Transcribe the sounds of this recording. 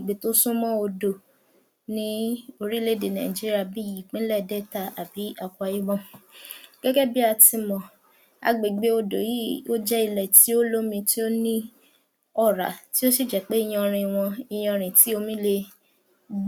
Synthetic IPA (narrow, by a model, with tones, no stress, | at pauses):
ɡ͡be˨to˦sũ˦mɔ̃˦o˧do˨ | nĩ˨˦o˧ɾi˦le˦de˨nã˨i˨d͡ʒi˦ɾi˦a˧˨bi˦ji˦˨k͡pĩ˦lɛ˦˨dɛ˦˨ta˧ʔa˨bi˨˦a˦˧kʷɔ˦˧a˧ji˦bɔ̃˦ | ɡ̥ɛ˦ɡɛ˦bi˦a˧ti˧mɔ̃˨ | a̰˨ɡ͡be˨ɡ͡be˨˦o˧do˨ji˦o˦d͡ʒɛ˦i˧lɛ˨ti˨˦o˦lo˦mĩ˧ti˦o˦nĩ˦ | ɔ˦˨ɾa̰˨ti˦o˦si˦˨d͡ʒɛ˨k͡pe˦i˧j̃ɔ̃˧ɾ̃ĩ˨w̃ɔ̃˧i˧j̃ɔ̃˧ɾ̃ĩ˨ti˨˦o˧mĩ˦le˧˦